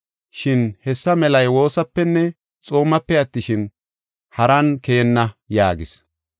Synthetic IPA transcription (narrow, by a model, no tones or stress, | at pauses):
ʃɪnhɛsːɐmɛlɐjwo̞ːsɐpːɛnːɛ | t͡sʼo̞ːmɐpːɛɐt̪ːɪʃɪn | hɐɾɐnkɛjɛnːɐjaːɡɪs